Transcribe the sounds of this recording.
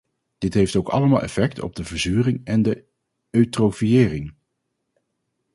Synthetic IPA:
d̥ɪtɦejftowkɑ̰ləmaːlˠʔɛ̰fɛktʰɔ̰b̚dəvəɹzyːrɪŋɛndə | øɥtrofijɪːrɪŋ

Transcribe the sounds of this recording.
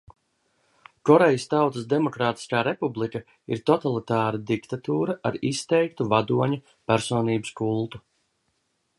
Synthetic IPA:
kɔɾejist̪awt̪əsd̪emɔkɾaːt̪i̥skaːɾepublˠika | iɾt̪ɔt̪alˠit̪aːɾad̪ikt̪at̪uːɾɐʔa̰ɾist̪ɛjkt̪uvad̪uɔɲu | pæɾsɔːniːbɨskulˠt̪u̥

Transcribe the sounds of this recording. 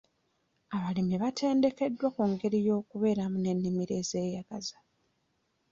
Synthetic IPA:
aβalimiβatʰe̞ːnde̞ke̞dːwakuŋɡe̞ɾijo̞ːkuβe̞ːɾamune̞nːimiɾe̞ːze̞ːjaɡ̥azḁ

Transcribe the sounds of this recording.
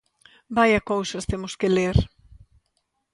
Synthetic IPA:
bajɐkowsɐst̪emʊskeleɾ

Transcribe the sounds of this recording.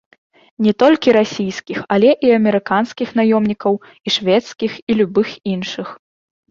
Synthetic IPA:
nʲɛt̪ɔlʲkʲiɾasʲijskʲixalʲɛʔiɐmʲɛɾɨkanskʲixnajɔmnʲikɐw | iʂvʲɛt̪skʲixilʲubɨxinʂɨx

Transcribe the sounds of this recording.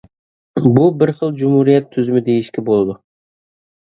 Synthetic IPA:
bʊbɪɾχəlˠd͡ʒʊmhuɾijat̪ʰːʏzɪmɪd̪ejɪʃkʲɪbolˠd̪ʊ

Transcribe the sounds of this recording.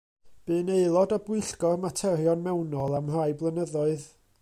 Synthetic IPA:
b̥ɨːneɨlˠɔdɔbwɪɨɬɡɔrmatʰɛɾjɔnmɛwnɔlˠamrajblˠənəðɔɨð

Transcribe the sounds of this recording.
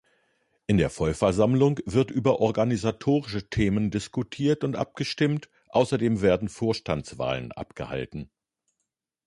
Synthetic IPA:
ʔɪndeːɐfɔlfɛɐzamlʊŋv̥ɪɐtʔyːbɐʔɔɐɡanizatʰoːʁɪʃətʰeːməndɪskutʰiːɐtʊntʔa̰p̚ɡ̥əʃtɪmt | ʔaʊsɐdeːmveːɐdn̩foːɐʃtant͡sv̥a̰ːlə̰nʔa̰pɡ̥ə̰ha̰ltn̩

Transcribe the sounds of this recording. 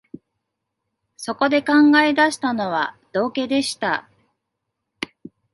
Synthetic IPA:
so̞ko̞d̪e̞kãŋɡae̞d̪aɕi̥t̪ano̞βa | d̪̥o̞ːke̞d̪e̞ɕi̥t̪a̰

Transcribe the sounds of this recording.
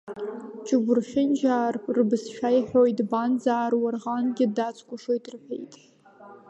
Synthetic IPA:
t͡ʃʰʼɪɡʷʊrʃʲᶣɪnd͡ʒaːrʼrbɨsʃᶣajħʷᶣojtʼband͡zaːrwarʁanɡʲɪdat͡sʷʰʼkʷʼʊʂo̞jtʼrħʷᶣḛjtʼ

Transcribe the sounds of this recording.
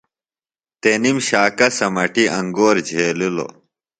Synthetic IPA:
t̪enimɕaːkɐsɐmɐʈiʔɐ̃ŋɡoːɾd͡ʑʱeːlulo̰

